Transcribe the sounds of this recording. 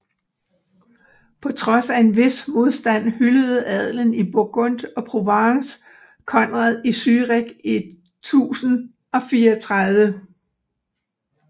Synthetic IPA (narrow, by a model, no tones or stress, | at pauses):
pʰɒ̽t͡sʰʁɒ̽sæe̝nʋe̝smo̝ðˠsd̥æn̰hyləð̞̩ˠɛð̞ˠlənib̥o̝ɡ̥ɔ̽n̰d̥ɒ̽pʰʁo̝ʋɑŋs | kʰɒ̽nʁɑðˠisyːʁeɡ̥ed̥ | t͡sʰṵːsn̩ | ɒ̽fiːɐɒt͡sʰʁaðˠʋə